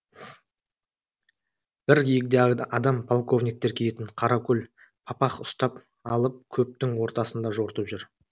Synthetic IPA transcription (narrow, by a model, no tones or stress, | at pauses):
b̥ɪɾɡʲijɪk̚d̪eɑd̪ɑmpʰo̞lˠko̞vnʲijk̚t̪ekʲʰele̞t̪ɪɴqʰɑɾɑkʲʰɵlʲ | pʰɑpɑqʊst̪ɑp | ɑlˠəp̚kʲʰɵp̚t̪ɪŋwo̞ɾt̪ɑsənd̪ɑʒoɾt̪əpʒʏɾ